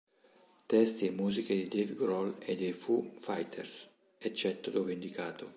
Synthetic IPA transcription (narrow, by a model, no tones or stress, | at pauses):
t̪ɛst̪iemuːziked̪id̪eviɡɾɔled̪ejfufajt̪ʰḛɾs | ɛt͡ʃːɛt̪ːod̪ovend̪ikaːt̪o